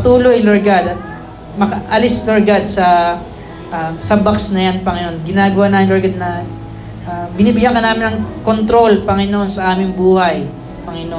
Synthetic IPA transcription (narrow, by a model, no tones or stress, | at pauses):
ɐt̪uːloʔɪloɹɡad̪ɐt̪̚ | mɐkɐʔɐlisloɹɡad̪̚sɐ | ʔsɐbaksnɐjanpɐŋɪnoʔonɡɪnaːɡɐwanaːmɪnlɐɹɡad̪̚nɐ | ʔabɪniːbɪjakɐnaːmɪnɐŋko̞nt̪ɾo̞lpɐŋɪnoʔonsɐʔaːmɪŋbuːhɐj | pɐŋɪnoʔ